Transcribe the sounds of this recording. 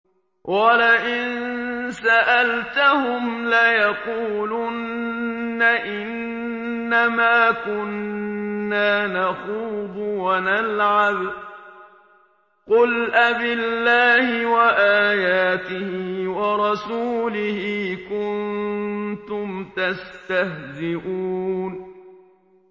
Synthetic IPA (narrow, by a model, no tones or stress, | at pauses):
wʔalaʔɪnsaʔalt̪ahʊmlajɑquːlʊnː | aʔɪnː | amaːkʊnː | aːnaxuːd̪ˤʊwanalʕab | qʊlʔabɪlːaːhɪwaʔaːjaːt̪ɪhɪwɑɾˤɑsuːlɪhiːkʊnnt̪ʊmt̪ast̪ahzɪʔuːn